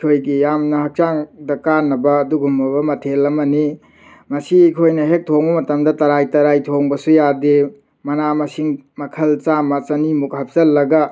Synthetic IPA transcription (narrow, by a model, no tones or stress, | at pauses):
kʰojɡijamnɐhɐk̚t͡ʃaŋdɐkanːɐbɐːduɡumbɐbɐmɐtʰelːɐmɐni | mɐsikʰojnɐɦek̚tʰoŋbɐmɐtɐmdɐtɐɾajtɐɾajtʰoŋbɐsujade | mɐnamɐsiŋmɐkʰɐlt͡ʃamɐt͡ʃɐnimuk̚hɐp̚sɐlːɐɡɐ